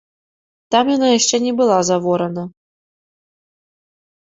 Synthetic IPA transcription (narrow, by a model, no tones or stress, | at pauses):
t̪amjanajaʂt͡ʂɛnʲɛbɨlˠazavɔɾɐnɐ